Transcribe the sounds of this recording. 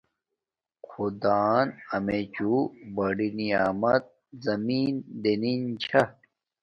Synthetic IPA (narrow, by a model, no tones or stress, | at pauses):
kʰud̪aːnɐmet͡ɕubɐɖiniaːmɐt̪̚ | zɐmiːnd̪enint͡ɕʰɐ